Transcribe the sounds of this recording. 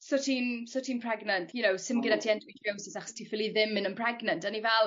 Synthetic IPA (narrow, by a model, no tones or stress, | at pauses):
sɔtʰinsɔtʰiːnpʰr̥ɛɡnəntʰjʊnowsɪmɡɪnatʰiɛndwitʰjowsɪsaχɔ̥stʰifɪlˠiðɪmɪ̃nənpʰr̥ɛɡnəntənivɛlˠ